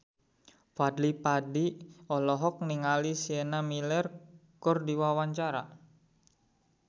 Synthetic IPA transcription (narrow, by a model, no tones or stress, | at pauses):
fadlipadiɔlɔɦɔk̚niŋalisienamilɛrkʊrdiwawaɲt͡ʃaɾa